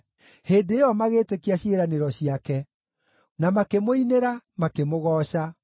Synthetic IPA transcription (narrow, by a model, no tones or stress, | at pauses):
heːndeːɔmaɣeːtekiaɕieɾaneɾɔɕiakɛ | namakemoineɾamakemoɣɔːɕa